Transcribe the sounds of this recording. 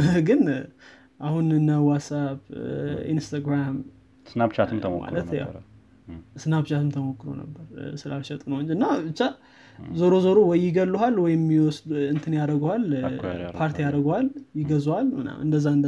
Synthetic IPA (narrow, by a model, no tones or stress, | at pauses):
ɡɨn | ʔahunɨnːawasaβḭnst̪ʰaɡɾam | snabt͡ʃat̪ʰɨmt̪ʰəmo̰ma̰llət̪ja̰w | ɨsɨnabt͡ʃat̪ʰɨmt̪ʰəmokːɨɾo̰nə̰bːəɾsɨlalʃɛt̪ʼnəwɲd͡ʒɨnːabɨt͡ʃːa | zəɾozəɾowɔjɪɡəlːuɦalwɔjɪmːiwɔsd̪ɨnt̪ʰɨnjaɾəɡəhalpʰaɾt̪ʰijaɾəɡhaljɪɡəzowalmɨna̰mʔɨnd̪əzːaɨnd̪ə